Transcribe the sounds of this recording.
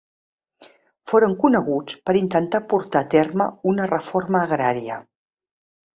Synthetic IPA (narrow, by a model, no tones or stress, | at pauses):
foɾəŋkunəɣut͡spəɾint̪ənt̪apuɾt̪aːt̪erməunərəforməːɣɾaɾiə